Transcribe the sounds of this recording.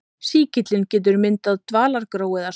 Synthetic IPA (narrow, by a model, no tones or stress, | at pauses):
siːcɪt̪lɪncɛːt̪̬ʏɾmɪnt̪aðt̪vaːlaɾkɾoːwɪða